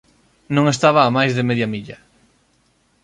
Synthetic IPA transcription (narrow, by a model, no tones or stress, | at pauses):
nõŋest̪aβɐːmajzðemeðjamiʎɐ